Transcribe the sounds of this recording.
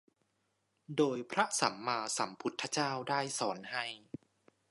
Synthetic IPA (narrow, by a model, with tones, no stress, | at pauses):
doː˧jpʰɾa˦˥sa˩˦mːaː˧sa̰˩˦mpʰu˦˥t̪ʰːa˦˥t͡ɕaː˥˩wdaː˥˩jsɔː˩˦nha˥˩j